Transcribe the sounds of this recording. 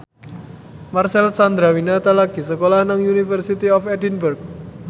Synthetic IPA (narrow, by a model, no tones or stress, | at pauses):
marsɛlsand̪ɾawinat̪alaɡ̥i̤səkolahnaŋjunifərsit̪iɔfɛdinbərk̚